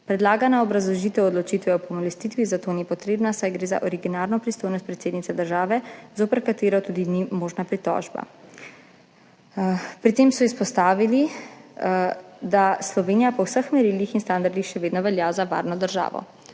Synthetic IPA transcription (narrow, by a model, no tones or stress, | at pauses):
pɾɛd̪laːɡanaɔbɾazlɔʒiːt̪ɛwɔd̪lɔt͡ʃit̪ʋɛɔpɔmɔlɛst̪it̪ʋizat̪oːnipɔt̪ɾeːbnasajɡɾeːza̰ʔɔɾiɡinaːɾnɔpɾist̪oːjnɔst̪pɾɛt̪seːd̪nit̪sɛd̪əɾʒaːʋɛzoːpəɾkat̪eːɾɔt̪uːd̪inimoːʒnapɾit̪ɔ̰ːʒba̰ | pɾit̪emsɔispɔst̪aːʋili | d̪aslɔʋeːnijapɔwsəxmɛɾilixinst̪and̪aɾd̪ixʃɛʋeːd̪nɔʋɛljazaʋa̰ːɾnɔd̪əɾʒa̰ːʋɔ̰